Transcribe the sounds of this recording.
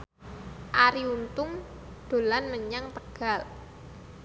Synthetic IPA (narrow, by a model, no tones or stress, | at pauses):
ʔaɾiunt̪ʊŋ | d̪̥o̤lanməɲaŋt̪əɡ̥a̤l